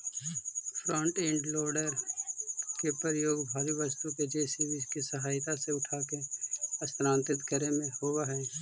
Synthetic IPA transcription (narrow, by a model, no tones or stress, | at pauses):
pʰɾɔ̃ːɳʈẽɳɖloːɾɖəɾ | kepəɾjoːɡbʱaːʋiʋəst̪uked͡ʒeːsibiskisəɦaːɪt̪aseʊʈʰaːkeɐst̪ɾãːnt̪ɪt̪kəɾemẽhowaɦɛː